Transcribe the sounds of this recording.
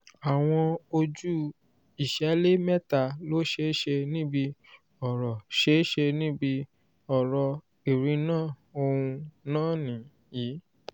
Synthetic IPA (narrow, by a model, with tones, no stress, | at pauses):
a˨w̃ɔ̃˧o˧d͡ʒu˦ | i˨ʃɛ˨˦le˦mɛ˦ta˦˨lo˦ʃe˧˦ʃe˧nĩ˦bi˧ | ɔ˨ɾɔ˨ʃe˦ʃe˧nĩ˦bi˧ | ɔ˨ɾɔ˧ | i˨ɾĩ˨˧nãː˦˨o˧ũ˧nãː˦˨nĩ˨ | jiː˨˦